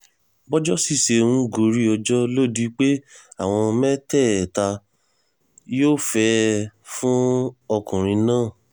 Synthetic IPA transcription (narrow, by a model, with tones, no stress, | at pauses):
bɔ˦d͡ʒɔ˦si˦˨ʃe˧ũ˧ɡo˨ɾi˦ɔ˧d͡ʒɔ˦lo˦˨di˧k͡pe˦a˦˨w̃ɔ̃˧mɛ˦tɛ˦˨ta˧ | joː˦fɛ˧fũ˦ɔ˧kũ˨ɾ̃ĩ˧nãː˦˨